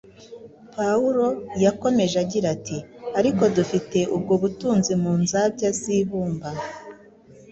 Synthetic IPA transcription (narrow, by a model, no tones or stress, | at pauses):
pauɾo̞jako̞me̞ʒaɟiɾatiaɾiko̞dufite̞ʔub̚ɡoβutuːnzimuːnzabɟaziːβuːmba